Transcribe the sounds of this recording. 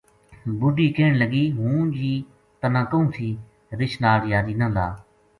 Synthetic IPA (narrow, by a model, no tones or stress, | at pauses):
bʊɖiːkeːɳləɡiːɦũːd͡ʒiː | t̪ənãːkəũːt̪ʰiː | ɾɪt͡ʃnaːɽɪjaːɾiːnə̃ːlaː